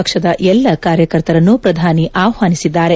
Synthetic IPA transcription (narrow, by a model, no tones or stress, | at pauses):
ɐkʂɐd̪ɐʔɛlːɐkaːɾjɐkɐɾt̪ɐɾɐnːupɾɐd̪ʱaːniʔaːwɦaːnisid̪ːaːɾe